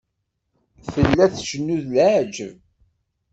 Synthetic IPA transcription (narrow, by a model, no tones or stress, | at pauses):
fəlːæθʃənːuðld͡ʒv